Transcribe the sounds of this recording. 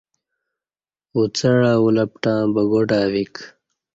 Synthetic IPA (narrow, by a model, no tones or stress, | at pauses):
ut͡sɐɻaːulɐpʈãːbɐɡoʈaːwik